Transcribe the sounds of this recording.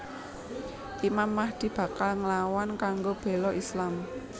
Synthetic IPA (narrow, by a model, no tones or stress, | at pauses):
ʔimamːahd̪̥i̤b̥ä̤kalŋəlawankaŋɡob̥e̤lɔʔislam